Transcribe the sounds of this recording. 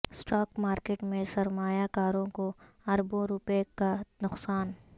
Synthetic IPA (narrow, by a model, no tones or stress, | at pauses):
sʈɔːkmaːɾkeːʈmẽsɐɾmaːjakaːɾõko | ɐɾbõɾʊpekanʊqsaːn